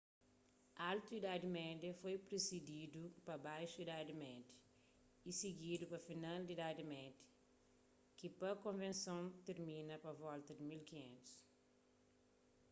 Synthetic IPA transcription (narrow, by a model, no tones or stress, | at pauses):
alt̪uid̪ad̪imɛd̪jɐfojpɾezid̪id̪upɐbajʃuid̪ad̪imɛd̪ɐ̥ | isiɡid̪upɐfinald̪id̪ad̪imɛd̪ɐ̥ | kipɐkõvẽnsõwt̪eɾmĩnɐpɐvɔlt̪ɐd̪imilkiɲḛ̃nt̪u̥s